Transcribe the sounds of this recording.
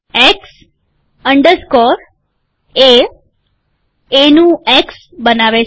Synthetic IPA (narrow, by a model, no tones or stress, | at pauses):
eks | əɳɖəɾskɔɾ | e | enũeks | bənaʋe